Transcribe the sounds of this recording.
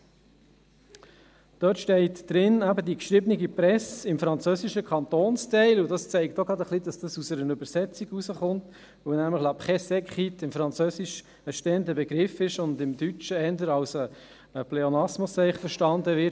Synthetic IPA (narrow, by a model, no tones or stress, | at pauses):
d̥œːtʃtɛɪtd̥ɾɪnæbədikʃɾɪbəniɡipɾɛsɪmfɾɑnt͡søːsiʃəkʰɑnt̪oːnstɛɪludɑst͡sɛɪk̚tɔɡɾɑd̪əχlidɑsd̥ɑsusəɾənʉbəɾsɛt͡siɡusəχʊnt | vəwnæːmləχlɑpχɛsɛkχitɪmfɾɑnt͡søːsiʃ | əʃteːəndəbɛɡɾɪfɪʃʊndɪmdyt͡ʃəɛndəɾɑwsə | əplɛonɑsmosɛɪχfəɾʃtɑndəʋɪ